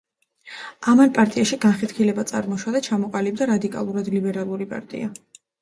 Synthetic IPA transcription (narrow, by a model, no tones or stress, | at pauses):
amanpʼaɾt̪ʼiaʃiɡanχɛt̪kʰilɛbat̪sʼa̰ɾmɔʃwad̪at͡ʃʰamɔqʼalib̚d̪aɾad̪ikʼa̰lˠuɾad̪libɛɾalˠuɾipʼa̰ɾt̪ʼḭa